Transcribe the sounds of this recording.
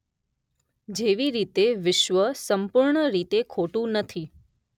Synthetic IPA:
d͡ʒeʋiɾit̪eʋɪʃʋəsəmpuɾɳəɾit̪ekʰoʈũnət̪ʰi

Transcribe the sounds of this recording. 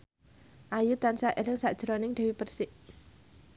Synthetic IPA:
ʔajut̪ansaʔelɪŋsaʔd̥ʒ̥ɾɔnɪŋd̥̪ɛ̤wipərsɪʔ

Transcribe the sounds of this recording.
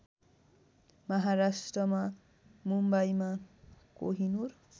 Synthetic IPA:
mʌɦaɾasʈrʌma | mumbajmakoɦinur

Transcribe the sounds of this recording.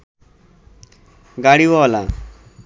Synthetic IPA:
ɡaɽiwɔla

